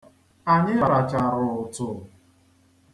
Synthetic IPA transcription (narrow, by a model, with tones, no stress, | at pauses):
a˨ɲɪ˦a˨ɾa˨t͡ʃa˨ɾʊ˨ʊ˨tʊ˨